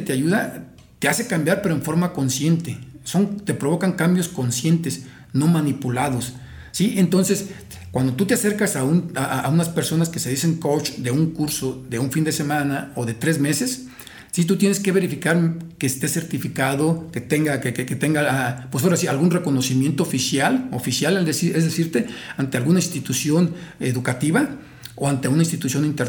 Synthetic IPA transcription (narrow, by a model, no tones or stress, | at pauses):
t̪eaʝuða | t̪ease̞kambjaɾpe̞ɾoeɱfo̞ɾmakonsje̞nt̪eso̞ŋt̪e̞pɾo̞βo̞kaŋkambjo̞sko̞nsjent̪e̞s | no̞manipulaðo̞sː | iʔe̞nt̪o̞nse̞s | kwand̪o̞t̪ut̪̬ease̞ɾkasaunaʔaaunaspe̞ɾso̞naske̞se̞ðise̞ŋkowt͡ʃd̪e̞uŋkuɾso̞ðe̞uɱfind̪e̞se̞mãnaoðe̞t̪ɾe̞zmese̞sː | it̪ut̪je̞neske̞βe̞ɾifikaɾkeːst̪e̞se̞ɾt̪ifikaðo̞ket̪eŋɡakekeket̪eŋɡaapwesoɾasialɣunre̞ko̞no̞simje̞nt̪oofisjalofisjaleld̪esiezðesiɾt̪e̞ant̪e̞alɣunainst̪it̪usjo̞neðukat̪iβa | oant̪eunainst̪it̪usjo̞nint̪eɾ